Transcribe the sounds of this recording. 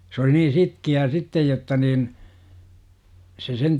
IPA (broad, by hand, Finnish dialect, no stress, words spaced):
s oli niː sitkiæː sitːej jotːɑ niːn se sen